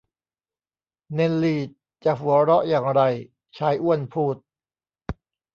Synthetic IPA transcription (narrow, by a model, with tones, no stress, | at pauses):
ne˧nliː˧˩t̪̚ | t͡ɕa˨˩ɦu˨˩˦ɐɾɔ˦˥ʔjaː˨˩ŋɾa˧j | t͡ɕʰaː˦˥jʔu˥˩ənpʰuː˥˩t̪̚